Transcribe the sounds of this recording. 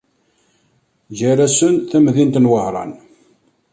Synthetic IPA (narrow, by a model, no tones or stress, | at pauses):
ʝæɾæsənθæmðint̪nwəhɾˤɑ̰n